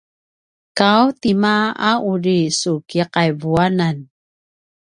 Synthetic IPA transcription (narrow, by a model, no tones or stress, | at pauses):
kawt̪imaauɹisukiqajvuanan